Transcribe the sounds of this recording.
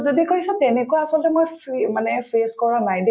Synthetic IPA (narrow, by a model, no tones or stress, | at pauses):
zodikʰoɹisɛtɛnɛkɔjaasɔlɔtɛmojpimanɛpʰeskɔɹanajdɛ